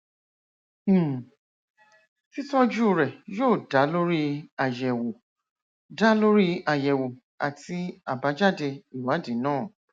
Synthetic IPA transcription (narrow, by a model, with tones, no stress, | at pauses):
ti˦tɔ˦d͡ʒu˦˨ɾɛ˨joː˦˨da˨˦lo˦ɾi˦a˨jɛ˨wo˨ | da˦lo˦ɾi˦a˨jɛ˨wo˨ | a̰˨ti˧a˨ba˨˦d͡ʒa˦˨de˧i˨wa˨˦de˨˦nãː˦˨